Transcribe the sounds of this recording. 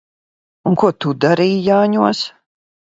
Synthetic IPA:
unkuɔt̪ud̪aɾiːjaːɲuɔs

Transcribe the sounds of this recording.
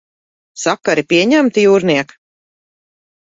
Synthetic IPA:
sakaɾipiɛɲæmt̪ijuːɾniɛk

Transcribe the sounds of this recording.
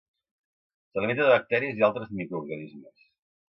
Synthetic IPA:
səlimint̪əðəβək̚t̪ɛɾiəzialˠt̪ɾəzmikɾuɾɣənizməs

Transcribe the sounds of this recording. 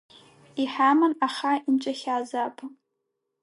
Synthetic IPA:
iħamɨnaχaint͡ʃʷʼaxʲaːzaːpʰa

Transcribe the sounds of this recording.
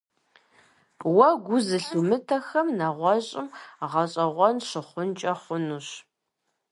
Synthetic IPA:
wɐɡʷʊzɨɬumɨtʰɐxɐmnɐʁʷɔɕʼɪmʁɐɕʼɐʁʷɔnɕɪχʷʊnt͡ʃʼɐχʷʊnuːɕ

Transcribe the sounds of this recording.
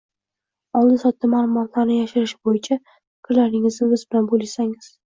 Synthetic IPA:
ɒlˠd̪ɪsɒt̪ːamalˠʊmɒt̪laɾnɪjaʃɪɾɪʃɪbojɪt͡ʃʰa | ɪ̥kʰʲɪɾlaɾnɪŋɪznɪmɪzbɪlanbolasaŋɪz̥

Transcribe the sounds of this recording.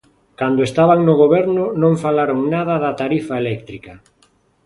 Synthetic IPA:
kand̪ʊest̪aβaŋnʊɣ̞oβɛɾnʊnõŋfalaɾoŋnaðɐðat̪aɾifaelɛk̚t̪ɾikɐ

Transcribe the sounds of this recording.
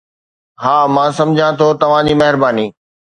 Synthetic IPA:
ɦaːmãːsɐ̃md͡ʑʱãt̪ʰot̪ɐʋ̤ãd͡ʑiːmɐɦɪɾbaːniː

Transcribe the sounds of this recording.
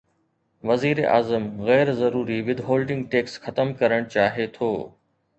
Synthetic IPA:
ʋɐziːɾeʔaːzəmɣɛːɾzɐɾuːɾiʋɪd̪ɦoːlɖɪ̃ŋɡ̚ʈeːksxɐt̪əmkɐɾəɽ̃t͡ɕaːɦet̪ʰoː

